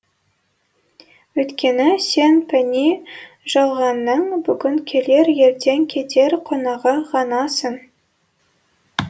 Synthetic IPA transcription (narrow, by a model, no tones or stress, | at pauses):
wɵjt̪kʲʰe̞nɪse̞npʰænʲi | ʒ̥ɑlˠʁɑnːəɴbʏɡʲɪŋkʲʰe̞le̞ɾje̞ɾt̪e̞ŋkʲʰet̪ʰe̞ɾqʰonɑʁəʁɑnɑsəɴ